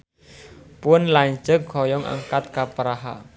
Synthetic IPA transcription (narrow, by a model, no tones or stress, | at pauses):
pʊnlaɲ̥d͡ʒəkɡʰɔjɔŋʔa̰ŋkat̪̚kapəɾaɦa̰